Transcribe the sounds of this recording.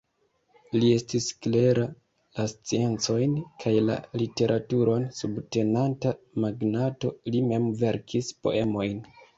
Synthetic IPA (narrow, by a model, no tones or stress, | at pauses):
lie̞stiskle̞ɾa | last͡sie̞nt͡so̞jnkʰajla̰lite̞ɾʔatuɾo̞nsubte̞nanta | maɡnato̞lime̞mve̞ɾkʰispo̞̰e̞mo̞jn